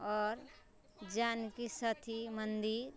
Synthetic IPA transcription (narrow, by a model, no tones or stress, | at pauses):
ɔːɾ | d͡ʒankisət̪ʰimənd̪iɾ